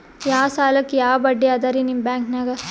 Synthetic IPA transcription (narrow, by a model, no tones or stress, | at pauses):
jaːsaːlɐkːejaːɐbɐɖːiaːd̪aːɾinimbjaːŋknaɡɐ